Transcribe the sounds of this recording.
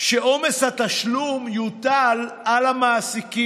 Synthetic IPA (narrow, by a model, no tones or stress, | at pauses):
ʃeʔo̞me̞shat̪aʃlumjut̪alʔalamaːsiki